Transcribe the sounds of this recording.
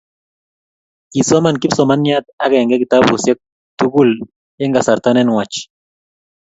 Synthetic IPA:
ki˨sɔ˦ma˨nki˦psɔ˨ma˦njat̪̚a˦kɛ˨ŋɡɛ˦ki˨t̪abusjɛ˦k̚ | t̪u˦ɡu˦l | ɛ˦ŋɡa˨sa˨ɾt̪anɛnwa˨t͡ʃ

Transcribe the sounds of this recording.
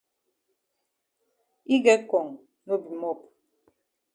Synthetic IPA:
i˦ɡɛ˦kɔ˨ŋ | no˦bi˨mɔ˦˨p̚

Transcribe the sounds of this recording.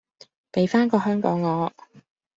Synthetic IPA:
pe˨˧jfaː˥nkɔː˧ɦœː˥ŋkɔː˨˥ŋːɔː˨˧

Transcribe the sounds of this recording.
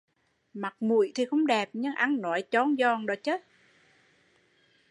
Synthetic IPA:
ma˨˩k̚mṵ˧˨jt̪ʰi˨˩xə˧wŋ͡mɗɛ˨˩p̚ɲɨ˧ŋʔa˧nnɔ˨˦jt͡ɕɔ˧˦nzɔ˧˩˨ŋɗo˨˦t͡ɕəː˦˥t̚

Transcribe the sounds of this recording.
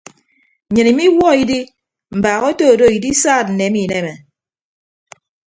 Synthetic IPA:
ɲɨ˨ni˨mi˦wɔ˦i˦di˦ | m̩˨baː˨ɣo˦to˦o˨do˦˨i˨di˦saː˦˨t̚n̩˨ne˨˦mi˦˨ne˦˨me˨

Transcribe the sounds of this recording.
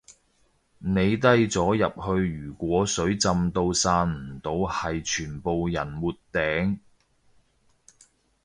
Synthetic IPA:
ne˨˧jt̪ɐ˥jt͡sɔː˨˥jɐ˨p̚hɵ˧ɥjyː˨˩kʷɔː˨˥sɵ˨˥ɥt͡sɐ˧mt̪o˧wsaː˧nm̩˨˩t̪o˨˧whɐ˨jt͡ʃʰyː˨˩npo˨wjɐ˨˩nmuː˨t̚t̪ːɛː˨˥ŋ

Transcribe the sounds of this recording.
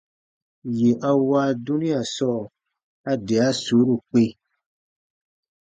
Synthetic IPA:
je˨ʔa˧waː˦du˦nĩ˦a˨sɔ˦˨ | a˧dɛ˨a˦su˨˦ɾu˨k͡pe˦

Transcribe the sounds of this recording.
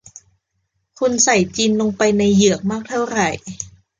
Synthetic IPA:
kʰu˧nsa˨˩jt͡ɕiː˧nlo˧ŋpa˧jna˧jːɯ˨˩ək̚maː˥˩k̚t̪ʰa˥˩wɾa˨˩j

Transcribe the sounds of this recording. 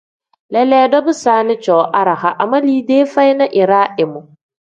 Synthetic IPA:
lɛ˦le˦dɔ˦bu˦saː˦nɪ˦t͡ʃɔ˨wʔa˦ɾa˨ha˨ʔa˨mɐ˦liː˦de˦fa˦jna˦ʔɪ˨ɾaː˦ʔɪ˨mu˨

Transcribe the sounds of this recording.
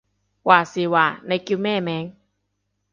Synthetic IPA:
waː˧˩si˧˦waː˧˩na˧˦jki˧mɛː˥˩˨mɛː˨˧˦ŋ

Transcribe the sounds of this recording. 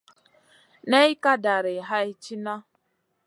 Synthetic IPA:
ne˦i˦ka˦da˨ɾɪ˨ɦa˦i˦t͡ʃi˦na˦

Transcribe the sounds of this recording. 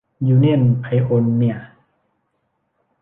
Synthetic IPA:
juː˧ne˥˩˨npʰa˧jʔo˧nːi˥˩ɐ˨ʔ

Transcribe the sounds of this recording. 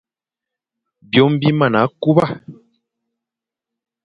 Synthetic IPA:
bjɔ˨˦m˦bi˦ma˦˨na˨˦ku˦ba˦˨

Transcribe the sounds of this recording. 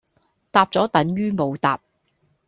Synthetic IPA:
t̪aː˧p̚t͡sɔː˨˥t̪ɐ˨˥ŋjyː˥mo˨˧wt̪aː˨p̚

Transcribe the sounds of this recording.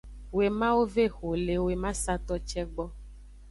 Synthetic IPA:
we˨mã˦wo˦ve˦xo˨le˨we˨mã˦sa˦t̪ɔ˦t͡ʃɛ˦ɡ͡bɔ˦

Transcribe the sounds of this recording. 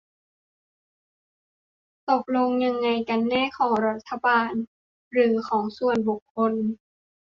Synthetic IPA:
t̪o˨˩p̚lo˧ŋɲa˧ŋːa˧jka˧nːɛː˧˥˨kʰɔː˩˦ŋɾa˧˩t̪ʰːa˧baː˨˩n | ɾɯː˩˦kʰɔː˩˦ŋsu˧˩ənbu˨˩kʰːo˧˥n

